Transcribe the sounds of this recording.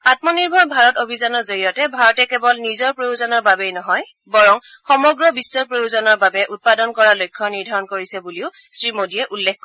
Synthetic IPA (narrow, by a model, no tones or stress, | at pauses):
at̚mɔniɹbʱɔɹbʱaɹɔtobʱizanɔɹzoɹijɔtɛbʱaɹɔtɛkɛbɔlnizɔɹpɹojuzɔnɔɹbabejnɔɦɔj | bɔɹɔŋxɔmɔɡɹɔbisːɔɹpɹojuzɔnɔɹbabɛʔut̚padɔnkɔɹalojkʰːɔniɹdʱaɹɔnkoɹisɛbuliʊ | sɹimodijɛʔulːekkɔ